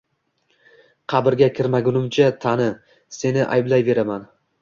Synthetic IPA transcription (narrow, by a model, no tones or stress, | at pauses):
qʰɑbɪɾɡʲakʲʰɪɾmaɡʲʊnɪmt͡ʃʰat̪ʰanɪ | se̞nɪʔa̰jblajve̞ɾaman